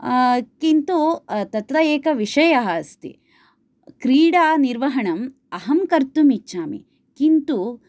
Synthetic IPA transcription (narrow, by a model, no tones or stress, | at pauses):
kint̪ut̪ɐt̪ɾɐjeːkɐʋiʂɐjɐɦɐst̪ḭ | kɾiːɽaːniɾʋɐɦɐɳɐm | ɐɦɐmkɐɾt̪umit͡ʃːt͡ʃaːmḭ | kint̪u